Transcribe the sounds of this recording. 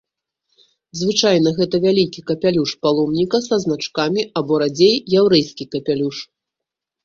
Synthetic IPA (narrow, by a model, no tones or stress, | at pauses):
zvɨt͡ʂajnɐɣɛt̪ɐvʲalʲikʲikɐpʲalʲuʂpalˠɔmnʲikɐsɐznat͡ʂkamʲiɐbɔɾad͡zʲejjawɾɛjskʲikɐpʲalʲuʂ